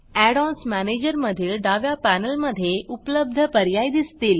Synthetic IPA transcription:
æɽɔ̃nsmæned͡ʑəɾməd̪ʱiːlɖaʋjapænəlməd̪ʱːjeʔupləb̚d̪ʱəpəɾjajd̪ist̪iːl

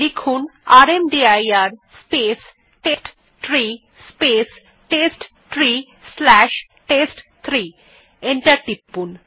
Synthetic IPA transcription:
likʰunaɾemɖiajaɾspes | ʈesʈ | tʰɾi | spes | ʈesʈ | ʈɾi | slɛʃ | ʈesʈt̪ʰɾi | eɳʈaɾʈipːun

